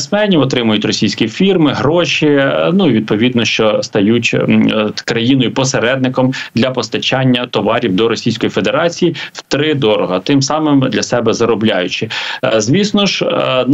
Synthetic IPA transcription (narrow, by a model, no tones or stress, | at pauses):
sʲmɛnʲiwɔt̪ɾɪmʊjʊtʲrɔsʲijsʲkʲifʲirmɪɦɾɔʃinuiʋʲid̪̚pɔʋʲid̪nɔʃt͡ʃɔst̪ɐjutʲ | kɾɐjinɔjʊpɔseɾɛd̪nɪkɔmd̪lʲɐpɔst̪ɐt͡ʃɑnʲːɐt̪ɔʋɑɾʲiwd̪ɔɾɔsʲijsʲkɔjifed̪eɾɑt͡sʲijiwt̪ɾɪd̪ɔɾɔɦɐt̪ɪmsɑmɪmd̪lʲɐsɛbɛzɐɾɔblʲajʊt͡ʃɪzʲʋʲisnɔʒ